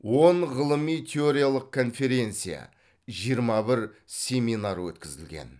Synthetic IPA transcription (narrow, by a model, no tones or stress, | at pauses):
wo̞ɴʁəlˠəmijt̪ʲʰeo̞ɾʲijalˠəq̚kʰːo̞nfe̞ɾʲe̞nt̪sɨja̰ | ʒijəɾmɑbɪɾsʲe̞minaɾwɵ̰t̪kʲɪzɪlɡʲe̞̰n